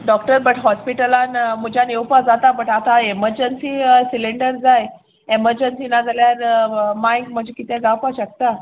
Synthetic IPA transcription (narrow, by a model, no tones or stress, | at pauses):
ɖɔk̚ʈəɾbəʈɦɔspiʈəlanmud͡ʑanewpad͡zat̪abəʈat̪aeməɾd͡ʑənsiːsileɳɖəɾd͡zaj | eməɾd͡ʑənsinad͡zʱaljaɾmajkm̤əd͡ʑekit̪ɛ̃ɡawpaɕək̚t̪a